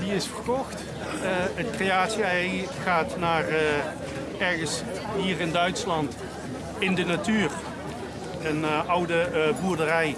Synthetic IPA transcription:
diɪsfərkɔxt | ətkreaːtsiɛjχaːtnaːr | ɛɹɣəns | ɦiːrɪndœɥtslɑnt | ɪndənatyːr | ənʔʌwdəbuːɹdərɛj

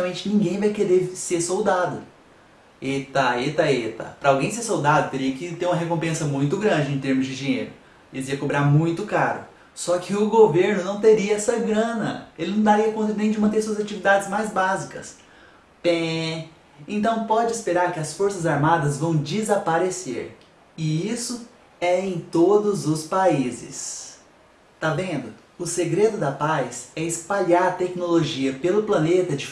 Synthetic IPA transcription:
awmẽnt͡ʃɪnĩɡẽj̃vajkeɾeseɾsowd̪ad̪ʊ̰ | et̪aet̪ɐet̪ɐ̰pɾɐawɡẽj̃seɾsowd̪ad̪ʊt̪eɾiɐkɪt̪eɾũmɐɦekõpẽsɐmũj̃t̪ʊɡɾɐ̃nd͡ʒɪẽt̪eɾmʊzd͡ʒɪd͡ʒĩɲḛjɾʊ | elɪiiɐkobɾaɾmũj̃t̪ʊkaɾʊ̰ | sɔkʰɪʊɡoveɾnʊnɐ̃w̃t̪eɾiɐɛsɐɡɾɐ̃nɐ̰elɪnɐ̃w̃d̪aɾiɐkõnt̪ɐnẽj̃d͡ʒɪmɐ̃t̪eɾsuɐzat͡ʃivid̪ad͡ʒɪzmajzbazikɐ̰s | pẽ | ẽnt̪ɐ̃w̃pɔd͡ʒɪɪspeɾaɾkɪɐsfoɾsɐzaɾmad̪ɐzvɐ̃w̃d͡ʒɪzapaɾesḛɾ | ɪisʊ | ɛẽj̃t̪od̪ʊzʊspaizɪ̰s | t̪avẽnd̪ʊ | ʊseɡɾed̪ʊd̪ɐpajsɛɪspaʎaɾɐt̪ɛknoloʒiɐpelʊplɐ̃net̪ɐd͡ʒɪ

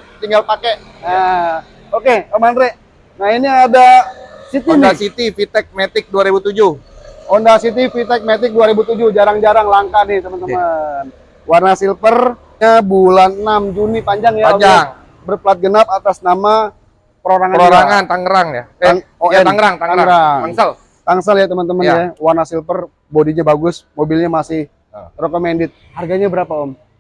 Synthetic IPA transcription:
t̪iŋɡalpakeʔ | ə | okeəmanɾe | nainiadasit̪inasit̪ifit̪ɛk̚met̪ɪk̚duaɾibut̪ud͡ʒʊhondasit̪̬ifit̪ɛk̚met̪ɪk̚duaɾibut̪ud͡ʒʊhd͡ʒaɾaŋd͡ʒaɾaŋlaŋkanɪht̪əmənt̪əman | warnasilpər | ɲabulannamd͡ʒunipaɲd͡ʒaŋjaaaŋ | bərplat̪̚ɡənap̚at̪asnama | pəɾoɾaŋaəɾoɾaŋant̪aŋəɾaŋjat̪aŋoaɛaŋɾaŋt̪aŋaŋɡɾaŋaŋsal | t̪aŋsəljat̪əmant̪əmənjawarnasilpər | bodiɲabaɡʊsmobɪlɲamasɪh | rokomɛndɪt̪̚harɡaɲabəɾapaɔm

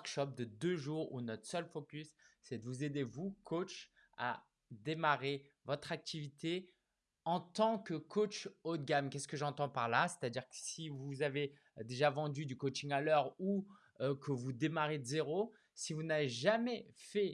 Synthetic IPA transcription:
kʃɔp̚d̪əd̪øʒuːʁṵnɔt̪χə̥sœlfokʲysːɛd̪əvuzed̪evukʰot͡ʃ | a̰ | d̪emaʁe | vɔt̪χak̚t̪ivit̪e | ɑ̃t̪ɑ̃kəkʰot͡ʃod̪̚ɡʲamkʲɛskəʒɑ̃t̪ɑ̃paʁlase̥t̪ad̪iʁkə̥sivuzave | d̪eʒavɑ̃d̪yd̪ykot͡ʃiŋalœʁu | kʰəvud̪emaʁed̪əzeʁo | sivunaveʒamɛfɛ

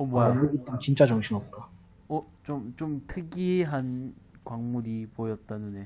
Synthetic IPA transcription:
ʌmwʌjaɯɡit͈aŋt͡ɕint͡ɕ͈at͡ɕʌŋɕʰimʌp̚k͈a | ʌ | t͡ɕomt͡ɕomtʰɯɡiɦankwaŋmuɾipojʌt̚t͈anune̞

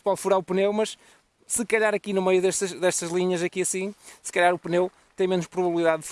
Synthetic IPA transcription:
palˠfuɾaupɨnewmɐʃ | sɨkɐʎaɾɐkinumejuðɛʃt̪ɐʃðɛʃt̪ɐʒlˠiɲɐzɐkiɐsĩsɨ̥kɐʎaɾupɨnew | t̪ẽj̃menuʃpɾuβɐβlˠiðaðð

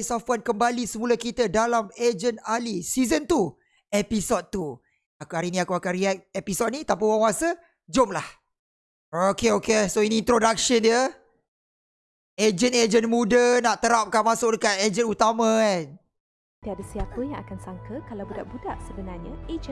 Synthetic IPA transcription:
safuankəmbalisəmuləkit̪ədalamed͡ʒənalisizənt̪u | episɔd̪̚t̪u | akaɾinĩakuakanriɛk̚episɔd̪̚nit̪ap̬əwaŋwasə | d͡ʒomlah | okeokesoinĩːnt̪ɾodak̚ʃəniə | ed͡ʒəned͡ʒənmudənaʔt̪əɾap̚kanmasʊk̚dəkat̪̚ed͡ʒənut̪amãan | t̪iadasiapəjãŋakansaŋkəkalabudaʔbudaʔsəbənarɲəed͡ʒə

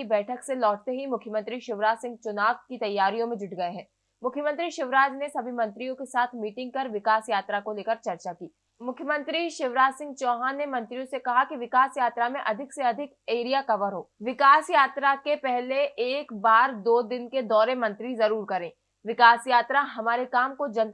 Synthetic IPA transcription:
ibɛːʈʰəkselɔːʈ̚t̪eɦimʊkʰjəmə̃nt̪ɾiʃɪʋɾaːd͡ʒsɪ̃ŋɡ̚t͡ʃʊnaːʋkit̪ɐjːaːɾijõmẽd͡ʒʊʈɡɐeɦɛ̃ː | mʊkʰjəmə̃nt̪ɾiʃɪʋɾaːd͡ʒnesɐbʱimɐ̃nt̪ɾijõkesaːt̪ʰmiːʈɪ̃ŋɡ̚kɐɾʋɪkaːsjaːt̪ɾakoleːkɐɾt͡ʃɐɾt͡ʃakiː | mʊkʰjəmə̃nt̪ɾiʃɪʋɾaːd͡ʒsɪ̃ŋɡ̚t͡ʃɔːɦãnːemɐ̃nt̪ɾijõsekɐɦakiʋɪkaːsjaːt̪ɾamẽʔɐd̪ʱɪkseɐd̪ʱɪkeːɾijakɐʋəɾɦoːʋɪkaːsjaːt̪ɾakepɛɦleʔeːkbaːɾd̪oːd̪ɪnked̪ɔːɾemɐ̃nt̪ɾizɐɾuːɾkɐɾẽː | ʋɪkaːsjaːt̪ɾaɦɐmaːɾekaːmkod͡ʒɐn

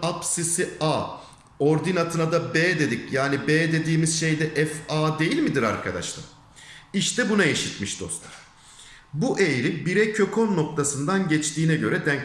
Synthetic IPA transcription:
apsisiaː | o̞ɾd̪inat̪ʰɯnad̪abeːd̪e̞d̪icjaːnibeːd̪e̞d̪iːmizʃe̞jd̪ɛʔɛfaːd̪e̞jilʲmid̪iɾa̰ɾkʰad̪a̰ʃlˠa̰ | iʃt̪ʰɛbunajeʃit̪miʃd̪o̞̰st̪ʰaɾ | buʔe̞jɾibiɾɛcʰø̞kʰo̞nːo̞k̚t̪ʰasɯnd̪anɟɛt͡ʃt̪ʰiːnɛɟø̞ɾɛd̪æn

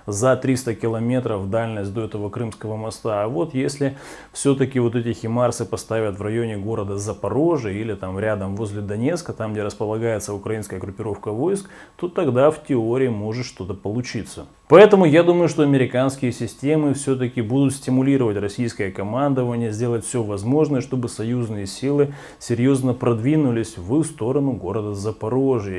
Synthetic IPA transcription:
zɐt̪ɾʲist̪əkʲɪlˠɐmʲe̞t̪ɾəfvd̪alʲnəsʲt̚ʲd̪o̞ɛt̪əvəkɾɨmskəvəmɐst̪aːvo̞t̪jesʲlʲɪ | fsʲot̪əkʲɪvo̞t̪ɛtʲɪxʲɪmarsɨpɐst̪avʲət̪vrɐjo̞nʲɪɡo̞ɾəd̪əzəpɐɾo̞ʐɨilʲɪt̪amɾʲad̪əmvo̞zʲlʲɪd̪ɐnʲet̪skət̪amɡdʲeɾəspəlˠɐɡajɪt̪səʊkɾɐinskəjəɡɾʊpʲɪɾo̞fkəvo̞jsk | t̪o̞t̪ɐɡd̪aftʲɪo̞ɾʲɪɪmo̞ʐɨt̪ʂt̪o̞t̪əpəlˠʊt͡ɕit̪sə | pɐɛt̪əmʊjad̪uməjʊʂt̪o̞ɐmʲɪɾʲɪkanskʲɪjəsʲɪsʲtʲe̞mɨfsʲɵt̪̬əkʲɪbud̪ʊt̪sʲtʲɪmʊlʲiɾəvətʲrɐsʲijskəjəkɐmand̪ɨvənʲɪjəzʲdʲelˠətʲfsʲovɐzmo̞ʐnəjəʂt̪o̞bɨsɐjuznɨjəsʲilˠɨ | sʲɪɾʲjo̞znəpɾɐd̪vʲinʊlʲɪsʲvɨst̪o̞ɾənʊɡo̞ɾəd̪əzəpɐɾo̞ʐɨ

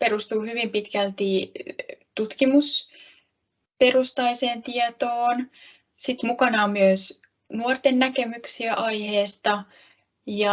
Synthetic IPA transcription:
pe̞ɾust̪uːhyʋimpit̪kælt̪i | t̪ut̪kimus | pe̞rust̪ɑjse̞ːnt̪iɛt̪oːn | sit̪mukɑnɑːmyøs | nuort̪enːæke̞myksiæʔɑjheːst̪ɑ | jɑ

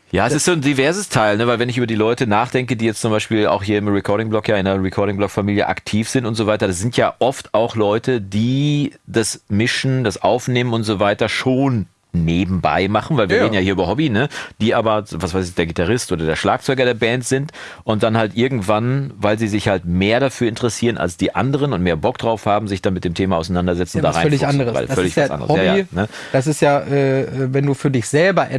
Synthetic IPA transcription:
jaːɛsɪstz̥oːndivɛɐzəstʰaɪlnəvaɪlvɛnɪç̬ʔyːbɐdiːlɔʏtənaːχd̥ɛŋkədiːjɛt͡stt͡sʊmbaɪʃpiːla̰ʊxhiːɐɪmʁɛkʰɔɐɾɪŋblɔkjaːɪnɐʁɛkʰɔɐɾɪŋblɔkfamiːljə̰ʔa̰ktʰiːfz̥ɪntʊntz̥oːvaɪtɐdas̬z̥ɪntjaːʔɔftaʊxlɔʏtədiːd̥asmɪʃn̩d̥asʔaʊfneːmənʊntz̥ovaɪtɐʃoːnː | eːbm̩ba̰ɪmaχn̩vaɪviɐʁeːdn̩jahiːɐyːbɐɦɔbinəd̥iːʔaːbɐvasv̥aɪsɪçd̥eːɐɡitaʁɪstʔoːdɐdeːɐʃla̰ːk̚t͡sɔʏɡɐɾeːɐbɛntz̥ɪntʔʊnt̚d̥anhaltʔɪɐɡŋ̩tv̥anvaɪlziːzɪçhaltmeːɐɾafyːɐɪntəʁəsiːʁəna̰lsd̥iːʔa̰ndəʁ̞ənʊntmeːɐbɔk̚d̥ʁaʊfhaːbm̩zɪçd̥anmɪtd̥eːmtʰeːmaa̰ʊsanandɐzɛt͡sn̩d̥aːʁaɪlɪçandəʁəa̰fœllɪç̥ʔa̰ndə̰əsjaːanə | d̥as̬ɪstjaːʔɛvɛnduːfyːɐdɪçz̥ɛlbɐʔɛ

